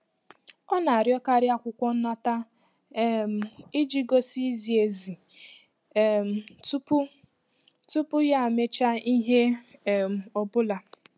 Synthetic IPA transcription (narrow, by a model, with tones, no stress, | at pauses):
ɔ˦na˨a˨ɾjɔ˦ka˦ɾɪ˦a˦kʷʊ˨kʷɔ˦n̩˦na˦ta˦˨ | m˨i˦d͡ʒi˦ɡo˦si˦zi˨e˨zi˨ | m̩˨tu˦pʊ˦ | tu˦pʊ˦ja˦˨me˦t͡ʃa˦i˦ɦe˦˨ | ɔ˨bʊ˦la˨